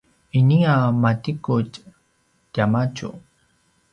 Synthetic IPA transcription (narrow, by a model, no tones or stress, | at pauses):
iniamatikʊt͡ʃ | t̪amat͡ʃṵ